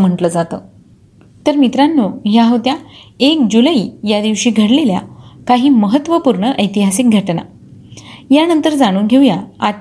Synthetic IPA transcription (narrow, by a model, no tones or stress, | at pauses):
m̤əɳʈləd͡zat̪əː | t̪əɾmit̪ɾanːoɦjaɦət̪jaek̚d͡ʑulaiːjad̪iʋɕiːɡʱəɽlelja̰kaɦiːməɦət̪ːʋəpuɾɳəʔəjt̪iɦasik̚ɡʱəʈna̰ | janənt̪əɾd͡zaɽ̃uːnɡʱeujaa